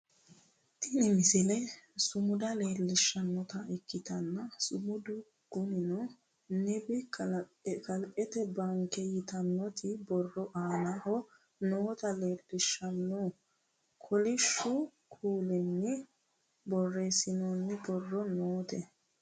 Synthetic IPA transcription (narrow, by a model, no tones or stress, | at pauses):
t̪ɪnɪmɪsɪlɛsʊmʊd̪ɐle̞ːlːɪʃːɐnːɔt̪ɐɛkːɪt̪ɐnːɐsʊmʊd̪ʊ | ɡ̥ʊnɪnɔ | nɛbɪ | kɐlʔʼɛt̪ɛbɐŋkɛjɪt̪ɐnːɔt̪ɪbɔrːɔʔaːnahɔ | noːt̪ɐleːlːɪʃːɐnːɔ | kʰɔlɪʃːʊ | kʰuːlɛnːɪ | bɔrːeːsɪnɔnːɪbɔrːɔnoːt̪ɛ